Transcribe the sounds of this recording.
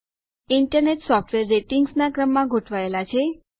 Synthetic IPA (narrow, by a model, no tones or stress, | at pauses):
iɳʈəɾneʈsɔfʈʋeɾːeʈiŋɡsnakɾəmːãɡʱoʈʰʋaelat͡ʃʰe